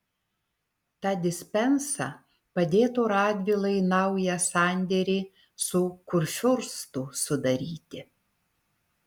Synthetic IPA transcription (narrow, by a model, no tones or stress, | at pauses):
t̪ɑːd̪ʲɪsʲpʲɛnsɑ | pɐd̪ʲeːt̪oːɾɑːd̪ʲʋʲilˠɐɪnɐʊjɛsɑˑnʲd̪ʲɛɾʲiː | sʊkʊɾʲʃʲʊɾst̪ʊsʊd̪ɐɾʲiːt̪ʲɪ